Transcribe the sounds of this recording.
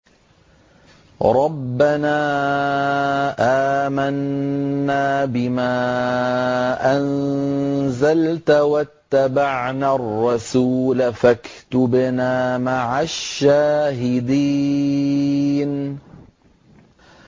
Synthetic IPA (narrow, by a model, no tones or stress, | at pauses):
ɾˤɑbːanaː | ʔaːmanː | aːbɪmaː | ʔan | zalt̪wat̪ːabaʕnarˤːɑsuːlafakt̪ʊbnaːmaʕaʃːaːɦɪd̪iː | n